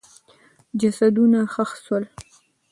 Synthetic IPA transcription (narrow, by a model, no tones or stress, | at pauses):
d͡ʒasad̪unaxəxswəl